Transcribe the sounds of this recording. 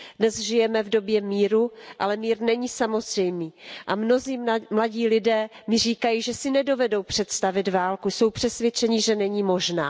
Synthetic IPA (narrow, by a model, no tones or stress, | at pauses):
dnɛzʒɪjɛmɛvdo̞bjɛmiːɾuʔalɛmiːɾnɛɲiːsamo̞zr̥ɛjmiːʔamno̞ziːmlaɟiːlɪdɛː | mɪr̝iːkajiːʒɛsɪnɛdo̞vɛdo̞wpr̥ɛt̪st̪avɪdvaːlkuso̞wpr̥ɛsvjɛt͡ʃɛɲɪʒɛnɛɲiːmo̞ʒna̰ː